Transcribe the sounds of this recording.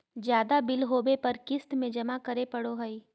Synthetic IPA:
d͡ʒjaːd̪abɪlɦoːbepɐɾkɪst̪mẽd͡ʒɐmakɐɾepɐɽoɦɐi

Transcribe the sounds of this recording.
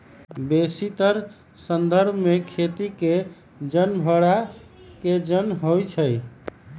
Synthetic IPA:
besit̪əɾ | sənd̪əɾbʱmekʰet̪ike | d͡ʒənbʱəɽa | ked͡ʒənɦojt͡ʃʰəj

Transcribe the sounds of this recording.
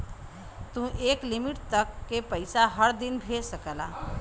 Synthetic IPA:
t̪ũʔeklimiʈt̪əkːepəjsaɦəɾd̪inbʱesəkəla̰

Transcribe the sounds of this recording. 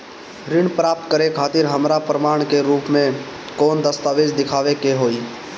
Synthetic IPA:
ɾɪɳpɾaːp̚t̪kəɾekʰaːt̪ɪɾɦəmɾapɾəmaːɽ̃keɾuːpmẽ | kɔːnd̪əst̪aːʋeːd͡ʒd̪ɪkʰaːʋekeɦoːiː

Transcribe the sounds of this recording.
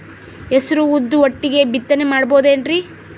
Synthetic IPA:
esɐɾuud̪ːuʋoʈːiɡe̞bit̪ːɐnemaːɽɐboːud̪eɳɖɾi

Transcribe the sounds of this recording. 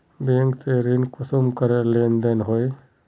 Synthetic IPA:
beŋkseɾinkʊsumkəɾeleːnd̪ənɦoe

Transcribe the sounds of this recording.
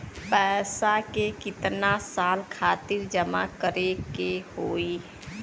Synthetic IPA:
pɛsakekɪt̪nasalkʰaːt̪iɾd͡ʒəma̰kəɾekehoi

